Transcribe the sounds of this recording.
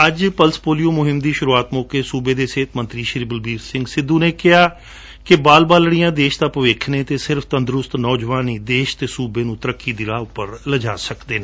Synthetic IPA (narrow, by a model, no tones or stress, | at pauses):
əd͡ʒpəlspoːlijõːmʊɦɪmd̪iːʃʊɾuːaːt̪moːkeːsuːbeːd̪eːseːt̪mə̃nt̪ɾiːʃəɾiːbəlbiːɾsɪ̃ŋɡsɪd̪ːuːneːkɪɦaː | kɪbaːlbaːlɽijãːd̪eːʃd̪aːpəʋeːkʰnẽːt̪eːsɪɾfʰt̪ənd̪ɾʊst̪nɔːd͡ʒʋaːniːd̪eːʃt̪eːsuːbeːnũːt̪əɾəkːiːd̪ɪɾaːʊpːəɾləd͡ʒaːsəkd̪eːneː